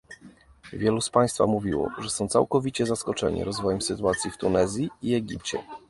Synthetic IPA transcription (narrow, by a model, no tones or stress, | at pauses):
vʲjɛluspaj̃st̪fa̰muvʲiwɔ̰ʐɛsɔ̃w̃t̪sa̰wkɔvʲit͡ɕɛzaskɔt͡ʂɛ̰ɲḭɾɔzvɔjɛmsɘt̪uat̪sʲjift̪unɛzʲjiiɛɡʲip̚t͡ɕɛ̰